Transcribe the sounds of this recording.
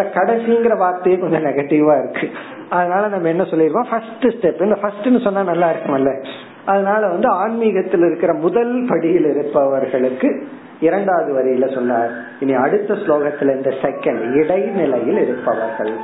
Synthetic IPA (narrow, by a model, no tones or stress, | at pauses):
ɐkɐɽɐsijŋɡɪɾɐbaːɾt̪ːɐjeːkɔɲd͡ʒɔ̃nɛɣɐʈːɪʋaːɪɾɯkːɯ | ɐðɯnaːlɐnɐmːɐɛnːɐsɔlːɪɾɯʋãːfɐsʈɯsʈɛpːɪnd̪ɐfɐsʈɛnːɯsɔnːaːnɐlːaːɪɾɯkːɯmɐlːɐ | ɐðɐnaːlɐʋɐnd̪ɯaːnmiɣɐt̪ːɪlɪɾɯkːɪɾɐmʊðɐlpɐɽɪjɪlɪɾɯpːɐʋɐɾɣɐɭɯkːɯ | ɪɾɐɳɖaːɐðɯʋɐɾɐjɪlɐsɔnːaːɾ | ɪnːiɐɽɯt̪ːɐsloːɣɐt̪ːɪlɪnd̪ɐsɛkːɐɳɖɪɽɐɪnɪlɐjɪlɪɾɯpːɐʋɐɾɣɐ̰ɭ